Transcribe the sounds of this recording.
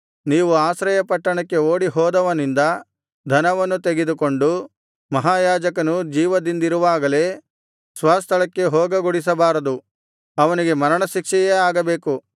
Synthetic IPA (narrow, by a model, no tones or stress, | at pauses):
niːʋuaːsɾɐjɐpɐʈːɐɳɐkːe̞oːɽiɦɔːd̪ɐʋɐnind̪ɐ | d̪ʱɐnɐʋɐnːut̪eɡed̪uko̞ɳɖu | mɐɦaːjaːd͡ʒɐkɐnud͡ʒiːʋɐd̪ind̪iɾuʋaːɡɐle̞ː | sʋaːst̪ʰɐɭɐkːe̞ɦoːɡɐɡuɽis̬ɐbaːɾɐd̪u | ɐʋɐniɡe̞mɐɾɐɳɐʃikʂɛjeaːɡɐbe̞ːku